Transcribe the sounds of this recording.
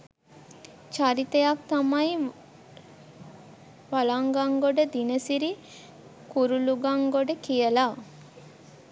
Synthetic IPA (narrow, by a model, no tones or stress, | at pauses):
t͡ʃaɾit̪əjak̚t̪amaji | ʋalaŋɡaŋɡoɖəd̪inəsiɾi | kuɾuluɡaŋɡoɖəkijəla